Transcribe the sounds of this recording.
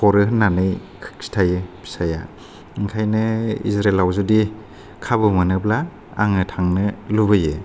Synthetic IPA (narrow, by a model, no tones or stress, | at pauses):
pʰɔɾɯɦɯnːanɯj | kʰɯ̥k̚si̥tʰajɯbʰi̥saja̰ | ɯŋkʰajnɯḭzɾelawzudi | kʰabɯmɯnɯblaː | ŋɯtʰaŋnɯlubɯjɯ